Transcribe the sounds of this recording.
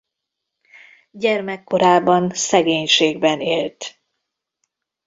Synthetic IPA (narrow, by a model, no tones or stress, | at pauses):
ɟɛrmɛkːo̞ɾaːbɒnsɛɡeːɲʃeːɡ̚bɛneːlt̪